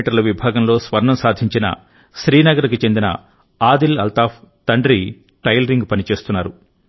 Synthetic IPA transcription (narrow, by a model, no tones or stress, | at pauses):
ʈɐɾlɐʋibʱaːɡɐmlo̞ːsʋɐɾɳɐmsaːd̪ʱiɲt͡ʃinɐ̰ | ʃɾiːnɐɡɐɾikit͡ʃe̞nd̪inɐ̰ | aːd̪ilɐlt̪aːpt̪ɐɳɖɾi | ʈɐjlɐɾiŋɡpɐnit͡ʃe̞ːst̪unːaːɾu